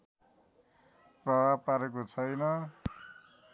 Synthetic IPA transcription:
prʌbʱab̚paɾekot͡sʰʌjnʌ

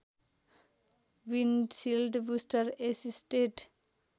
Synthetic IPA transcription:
winɖsilɖbusʈʌɾesisʈeʈ

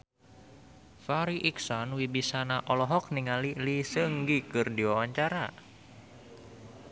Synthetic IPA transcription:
faɾiʔiksɔnwibisanaʔɔlɔɦɔk̚niŋalilisəŋɡikɨrdiwawaɲt͡ʃaɾa

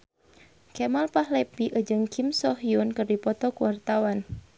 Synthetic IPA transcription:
kɛmalpahlɛpiʔəd͡ʒɨŋkʰimsɔɦjunkɨrdipɔt̪ɔkuwart̪awan

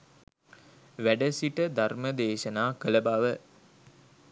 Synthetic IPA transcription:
ʋæɖəsiʈəd̪ʱarməd̪eːʃənaːkələbaʋə

